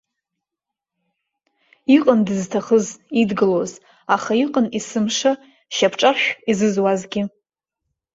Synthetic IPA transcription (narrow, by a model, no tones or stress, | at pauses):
iqʼəndɨztʰaχəzidɡɨloz | aχaiqʼənisɨmʂa | ʃapʰʈ͡ʂʼaʃʷᶣizɨzwazɡʲɪ